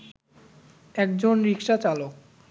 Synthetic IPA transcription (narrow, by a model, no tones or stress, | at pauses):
ɛkd͡ʑonɾikʃat͡ɕalok